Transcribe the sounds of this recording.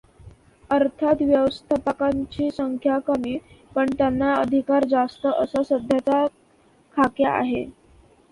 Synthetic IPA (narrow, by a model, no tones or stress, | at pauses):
əɾt̪ʰat̪ʋjəʋəst̪ʰapəkaɲt͡ɕiːsəŋkʰjakəmiːpəɳt̪janːaəd̪ʱikaɾd͡zast̪əʔəsəsəd̪ʱjat͡sa | kʰakjaʔa̰ɦe